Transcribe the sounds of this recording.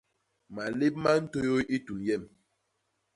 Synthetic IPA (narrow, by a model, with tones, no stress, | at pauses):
ma˨le˦p̚ma˦n̩˦to˦jo˦ji˦tu˨njɛ˦˨m